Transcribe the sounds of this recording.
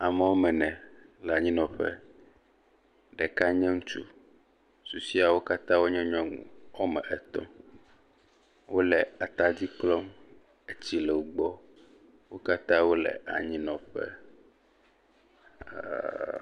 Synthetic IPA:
a˨mɛ˨wo˦mɛ̃˨nɛ̃˨lɛ˨a˨ɲĩ˦nɔ̃˨ɸɛ̰˦ | ɖɛ˨ka˦ɲɛ̃˦ŋũ˦t͡ʃṵ˦ | su˨si˦a˨wo˦ka˦t̪ã˦wo˦ɲɛ̃˦ɲɔ̃˦ŋṵ̃˨wo˦mɛ̃˨ʔɛ˨t̪ɔ̰̃˦ | wo˦lɛ˨a˨t̪a˦d͡ʑi˦k͡plɔ˦m | e˦t͡ɕi˦lɛ˨wo˨˦ɡ͡bɔ˦ | wo˦ka˦t̪ã˦wo˦lɛ̰˨ʔa̰˨ɲĩ˦nɔ̃˨ɸɛ̰˦˨

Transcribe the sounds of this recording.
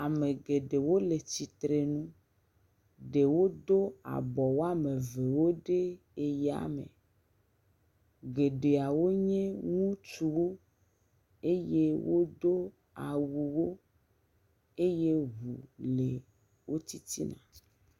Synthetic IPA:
a˨mẽ˨ɡe˨ɖe˨wo˦le˨t͡ɕi˨t̪ɾe˨nũ˦ | ɖe˨wo˦d̪o˦a̰˨bɔ˨wo˦a˦mẽ˨ve˨wo˦ɖe˦ | e˨ja̰˨mḛ̃˨ | ɡe˨ɖe˨a˨wo˦ɲẽ˦ŋũ˦t͡ʃu˨wo˦ | e˦je˦wʔo̰˦d̪o˦ | a̰˨wu˨wo˦ | e˦je˦ɦu˨le˨ | wo˦t̪i˦t̪ḭ˦nã̰˨

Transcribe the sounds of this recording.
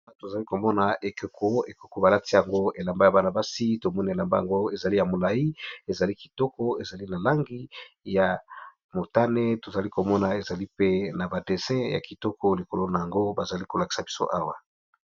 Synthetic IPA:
a˦to˨za˨li˦ko˨mɔ˦na˨ʔe˨ko˨ko˦e˨ko˨ko˨ba˨la˦ti˦ja˨ŋɡo˦e˨la˨mba˦ja˨ba˦na˨ba˦si˦to˨mɔ˦ni˨e˨la˨mba˦ja˨ŋɡo˦e˨za˨li˦ja˨mo˨la˨i˦e˨za˨li˦ki̥˨tɔ˦kɔ˦e˨za˨li˦na˨la˦ŋɡi˦ja˨ | mo˨ta˦ne˦to˨za˨li˦ko˨mɔ˦na˨e˨za˨li˦pe˦na˨ba˨de˨sɛ̃˦ja̰˨ki˨tɔ˦kɔ˦li˨ko˨lo˦na˨ja˨ŋɡo˦ba˨za˨li˦ko˨la˨ki̥˨sa˨bi̥˦so̰˦ʔa˦wa˨

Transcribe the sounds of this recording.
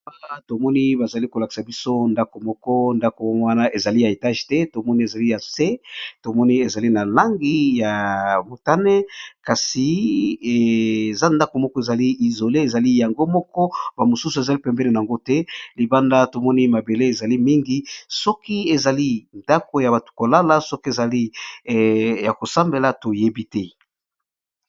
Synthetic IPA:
a˦la˦to˨mɔ˦ni˦ba˨za˨li˦ko˨la˨ki̥˨sa˨bi˦so˦nda˦ko˨mɔ˦kɔ˦nda˦ko˨˦wa˦na˦ʔe˨za˨li˦ja˨e˨ta˦ʒtɛ˦to˨mɔ˦ni˦e˨za˨li˦ja˨se˦to˨mɔ˦ni˦e˨za˨li˦na˨la˦ŋɡi˦ja˨mo˨ta˦ne˦ka˨si˨e˨za˦nda˦ko˨mɔ˦kɔ˦e˨za˨li˦ʔi˨zo˨le˦e˨za˨li˦ja˨ŋɡo˦mɔ˦kɔ˦ba˨mo˨su˦su˨e˨za˨li˦pɛ˨mbɛ˦ne˨na˨a˨ŋɡo˦tɛ˦li˨ba˦nda˦to˨mɔ˦ni˦ma˨be˨le˦e˨za˨li˦mi˦ŋɡi˦sɔ˦ki˦e˨za˨li˦nda˦ko˨ja˨ba˨tu̥˨ko˨la˦la˦sɔ˦ki˦e˨za˨li˦ | ja˨ko˨sa˦mbe˨la˨˦to˨je˦bi˦tɛ˦

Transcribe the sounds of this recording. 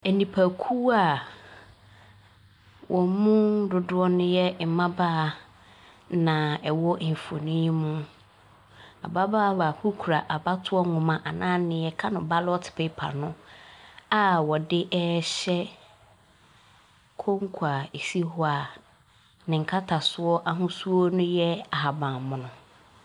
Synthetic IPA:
ɛ˨nĩ˨pʰa˨kʰuː˦a˨ | wʔɔ˨mũ˦dʊ˨dʊ˦ɔ˦nʊ̃˦jɛ˦m˨mã˦ba˦˨ | nã˨ɛ˨wɔ˦ʔɪ˨ɱ˨fo̰˨nĩ˦mũ˦ | a̰˨ba˦ba˦ba˨hu˦kʰu˨ɾa˨ʔa˨ba˦tʰʊ˦ɔ˦ŋʊ̃˨mã˨ʔa˨nãː˦nɪ̃˨jɛ˦kʰa˦nʊ̃˨ba˦lɔ˦tʰɪ̥˨pʰe˦pʰa̰˨nʊ̃˦ | a˦wɔ˨dɪ˦ʔɛ˦ɕɛ˦ | kʰo˦ŋ˦kʰu˨a˨e˨si˦hʊ˦a˨ | nɪ̃˨ŋ̩˨kʰa˦tʰa˨sʊ˦ɔ˦ʔa˦ɦʊ̃˦su˦ɔ˦nʊ̃˦jɛ˦a˨ɦa˨bã˨mʊ̃˨nʊ̃˨

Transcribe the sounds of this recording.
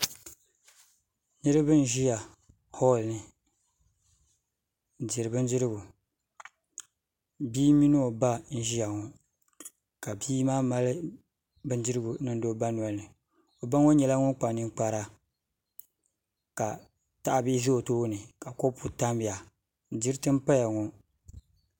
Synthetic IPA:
nɨ˦ɾɨ˦bɨ˦n̩˦ʒi˦ja˨ | hɔ˦˨lnɨ˨ | di˨ɾɨ˨bɨ˦n˦dɨ˦ɾɨ˦ɡu˨ | biː˦mi˦n˦o˨ba˦n̩˦ʒi˦ja˨ŋo˨ | ka˨biː˦maː˦ma˦lɨ˦ | bɨ˦nd͡ʒɪ˦ɾɨ˦ɡu˨nɨ˦n˦do˦ba˦nwa˨lnɨ˨ | o˨ba˦ŋo˦ɲɛ˨la˦ŋʊ˦nk͡pa˨nɨ˦k͡pa˨ɾa˦ | ka˨ | ta˦ʔa˦bi˦zo˦˨toː˦nɨ˨ka˨ko˦pu˨ta˦mbi˨ja˨ | d͡ʒi˦ɾɨ˦tɨ˦m˦pa˦ja˨ŋɔ˨

